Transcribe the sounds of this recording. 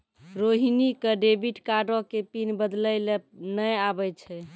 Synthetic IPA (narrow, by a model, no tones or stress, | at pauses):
ɾoɦinikəɖebiʈkaɖõkepinbəd̪ləjlenəjabɛt͡ʃʰɛ